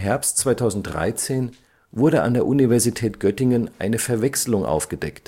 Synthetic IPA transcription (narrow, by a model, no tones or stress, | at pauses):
ɦɛɐpstt͡sv̥aɪtʰaʊzn̩t̚d̥ʁa̰ɪt͡seːn | vʊɐɾəa̰ndeːɐʔunivɛɐzitʰɛːtɡ̥œtɪŋənʔa̰ɪnəfɛɐvɛkslʊŋʔa̰ʊfɡ̥ədɛkt